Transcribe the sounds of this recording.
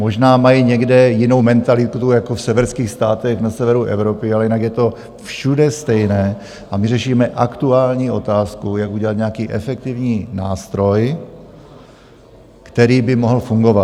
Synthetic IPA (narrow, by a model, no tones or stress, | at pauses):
moʒnaːmajiɲɛɡdɛjɪno̞wmɛnt̪alɪt̪ujakofsɛvɛɾskiːxst̪aːt̪ɛxnasɛvɛɾuʔɛ̰vɾo̞pɪalɛjɪnakjɛt̪o̞ | fʃudɛst̪ɛjnɛː | ʔamɪrɛʃiːmɛʔakt̪uaːlɲiːʔo̞t̪aːskujakuɟɛlat̪ɲeakiːʔɛfɛk̚t̪ɪvɲiːna̰ːst̪ɾo̞j | kt̪ɛɾiːbɪmoɦl̩fuŋɡo̞vat